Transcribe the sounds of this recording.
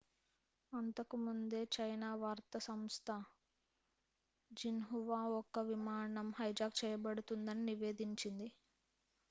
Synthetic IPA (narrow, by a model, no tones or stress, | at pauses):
ɐnt̪ɐkumund̪e̞ːt͡ʃɐjnaːʋaːɾt̪ɐsɐmst̪ʰɐ | d͡ʒinɦuʋaːɔkːɐʋimaːɳɐmhɐjd͡ʒaːɡ̚t͡ʃɛːjɐbɐɽut̪und̪ɐniniʋe̞ːd̪iɲt͡ʃind̪i